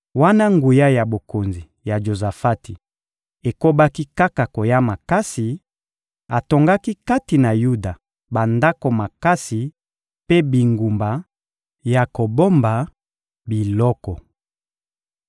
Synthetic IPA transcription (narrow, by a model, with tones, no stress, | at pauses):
wa˦na˦ŋɡu˨ja˦ja˨bo˨ko˨nzi˨ | ja˨ʒo˨za˨fa˦ti˨ | e˨ko˦ba˦ki˦ka˦ka˨ko˨ja˦ma˨ka˦si˨ | a˨to˨ŋɡa˦ki˦ka˦ti˨na˨ju˦da˨ | ba˨nda˦ko˨ma˨ka˦si˨ | pe˦bi˨ŋɡu˨mba˨ | ja˨ko˨bo˦mba˨ | bi˨lɔ˦kɔ˨